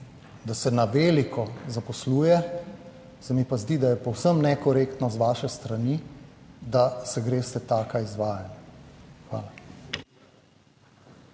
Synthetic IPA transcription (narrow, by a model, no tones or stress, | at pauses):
d̪asɛnaʋeːlikʰɔzapɔsluːjɛ | sɛmipazd̪id̪ajɛpɔwsəmnɛkɔɾekt̪nɔzʋaːʃɛst̪ɾani | d̪asɛɡɾeːst̪ɛt̪aːkaizʋaːjanjaxʋa̰ːla